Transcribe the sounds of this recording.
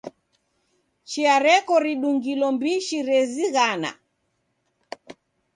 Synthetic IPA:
t͡ʃiaɾɛkɔɾiɗuŋɡilɔmbiʃiɾɛziɣana̰

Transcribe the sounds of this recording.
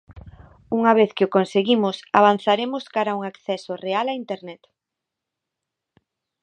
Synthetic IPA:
uŋaβ̞eθkɪʊkonseɣimʊsaβ̞an̟θaɾemʊskaɾauŋakθɛsorealaint̪eɾnɛt̪

